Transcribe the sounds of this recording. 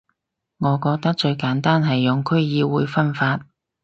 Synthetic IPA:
ŋɔː˨˧kɔː˧k̚t̪ɐ˥k̚t͡ʃɵ˧ɥkaː˨˥nt̪aː˥nɦɐ˨jːʊ˨ŋkʰɵ˥ɥjiː˨˧wuː˨˧jfɐ˥nfaː˧t̚

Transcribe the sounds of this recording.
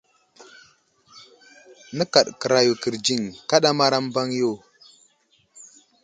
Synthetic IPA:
nə˦ka˨ɗkə˨ɾa˨ju˨ki˨ɾd͡ʒi˦ŋka˦ɗa˦ma˦ɾa˦mba˦ŋjo˦˨

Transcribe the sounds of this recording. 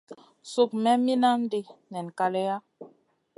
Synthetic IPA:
su˦k̚mɛ˦mi˦na˦n˦de˦nɛ˨n˨ka˨lɛ˦ja˦

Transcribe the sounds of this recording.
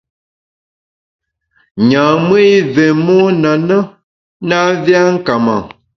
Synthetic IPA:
ɲã˨mə˦i˦ve˨mɔ˦na˨nə˦ | na˦vja˦ŋ̩˦ka˨ma˨

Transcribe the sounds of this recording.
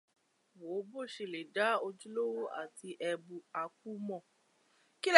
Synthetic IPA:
wo˨˦bo˦˨ʃe˧˨le˨da˦o˧d͡ʒu˦lo˦wo˦ʔa̰˦˨ti˧ʔɛ˧bu˨a˧k̚u˦mɔ̃˦˨ | ki˦l

